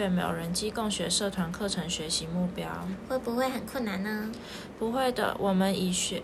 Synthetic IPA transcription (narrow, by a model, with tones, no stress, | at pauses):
ɛ˥˩mjɑ̰˨˩ʊɻə˧˦nt͡ɕi˥ko˥˩ŋɕɥɛ˧˥ʂɤ˥˩t̪ʰwa˧˥nkʰɤ˥˨ʈ͡ʂʰɤ˧˥ŋɕɥɛ˧˥ɕi˨˦mu˥˩pjɑ˦˥ʊxwe˥˩ɪpu˧xwe˥˩ɪxə˨˩nkʰwə˥˩nna˧˦nnə˧ | pu˧˥xwe˥˩ɪd̪ə̰˨wʔɔ˨˩mə˦ni˨˩ɕ